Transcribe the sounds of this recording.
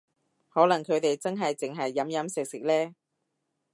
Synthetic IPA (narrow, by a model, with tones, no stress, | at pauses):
hɔː˨˥lɐ˨˩ŋkʰɵ˨˧ɥt̪e˨jt͡sɐ˥nɦɐ˨jt͡sɪ˨ŋɦɐ˨jːɐ˨˥mjɐ˨˥msɪ˨k̚sɪ˨k̚lɛː˥